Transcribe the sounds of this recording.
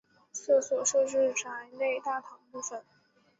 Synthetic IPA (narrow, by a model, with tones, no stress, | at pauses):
sɔ˥˩swɔ˨˩ʂɤ˥˧ʈ͡ʂɻ̩˥˩ʈ͡ʂʰa˧˥ɪne˥˧ɪt̪a˥˩t̪ʰɑ˧˥ŋpu˥˩fə˨˩˦n